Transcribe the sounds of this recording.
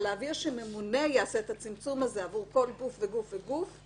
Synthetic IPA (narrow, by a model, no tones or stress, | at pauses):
leaviʁʃeme̞mune̞jaaseːt̪at͡simt͡sumazeavuʁko̞lɡufveɡufveɡuf